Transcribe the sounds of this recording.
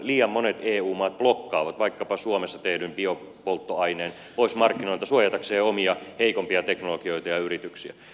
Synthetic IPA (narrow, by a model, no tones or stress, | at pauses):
liːɑmːonet̪eːuːmɑːt̪̚b̥lokːɑːʋɑt̪ʋɑikːɑpɑsuomesːɑt̪ehdymbio | polt̪ːoɑineːn | poismɑrkːinolt̪ɑsuojɑt̪ɑkseːomiɑheikompiɑt̪eknolokioit̪ɑjɑyrit̪yksiæ̰